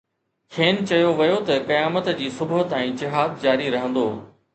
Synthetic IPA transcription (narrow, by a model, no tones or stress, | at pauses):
kʰeːnt͡ɕɐjoʋɐjot̪ɐkɐjaːmət̪d͡ʑiːsʊbʊɦət̪ɛ̃ːd͡ʑɪɦaːd̪d͡ʑaːɾiɾɐɦə̃nd̪oː